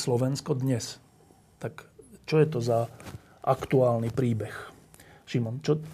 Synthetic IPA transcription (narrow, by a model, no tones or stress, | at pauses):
slɔʋɛnskɔd̪ɲɛs | t̪akt͡ʃɔjɛt̪ɔza | ʔa̰kt̪uaːlnipɾiːbɛx | ʃimɔnt͡ʃɔ